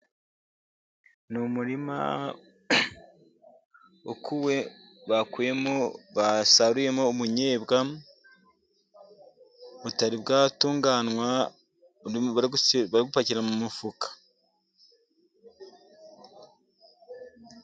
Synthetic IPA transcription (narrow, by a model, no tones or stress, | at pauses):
numuɾima̰ | okʰuwe̞ | βakuje̞moβasaɾuje̞moːmuɲeːbɡa | βutaɾibɡaːtuːŋɡaːnwa | βaɾiɡupaciɾamumufukḁ